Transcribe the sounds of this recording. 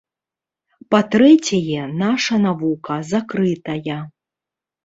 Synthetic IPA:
pat̪ɾɛt͡sʲɐjɛnaʂɐnavukɐzakɾɨt̪ɐjɐ

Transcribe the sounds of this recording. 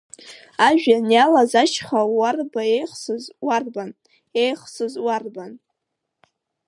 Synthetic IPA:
aʒᶣanjalazat͡ʃχawarbaejχsɨzwarban | ejχsɨzwarban

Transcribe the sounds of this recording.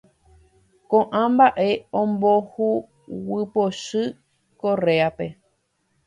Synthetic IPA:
kõʔãmbaʔe̞õmbohu | wɨpoʃɨ | koɾe̞ape̞

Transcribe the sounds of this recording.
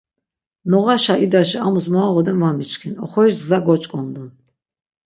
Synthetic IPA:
nɔʁaʃaid̪aʃiamusmɔːʁɔd̪ɛnvamit͡ʃkʰinɔχɔiʃzaɡɔt͡ʃʼkʼɔnd̪un

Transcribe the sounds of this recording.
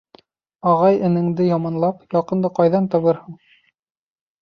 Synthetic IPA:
ɑʁɑjɘ̆nɘ̆ŋd̪ɘjɑmɑnlˠɑpjɑqɤ̆nd̪ɤqɑjðɑnt̪ɑ̆βɤɾhuɴ

